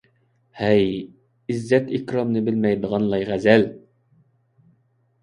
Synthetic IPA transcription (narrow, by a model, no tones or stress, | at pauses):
hæj | izːɛt̪ikɾomnɨbɪlmɛjd̪əʁɑnlˠɑjʁæzɛl